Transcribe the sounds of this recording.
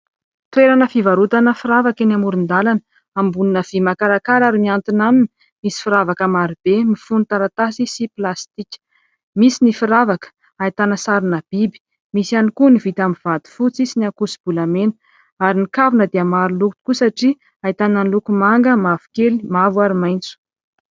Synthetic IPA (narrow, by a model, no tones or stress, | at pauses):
t̪weɾanəfivaɾut̪anəfiɾavakenamuɾund̪alan | ambuninəv̥imakaɾakaɾaɾimiant̪inamini | misi̥fiɾavakəmaɾib̥emifunit̪aɾat̪asisiplast̪ikʲə̥ | misinifiɾavakə̥ | ait̪anəsaɾinab̥ibi̥ | misianikunivit̪amiv̥ad̪i̥fut͡sisiniakusi̥b̥ulamenə | aɾinikavunəd̪eamaɾunluku̥kusaʈ͡ʂi | ait̪ananlukumaŋɡəmavu̥kelimavwaɾimajnt͡su̥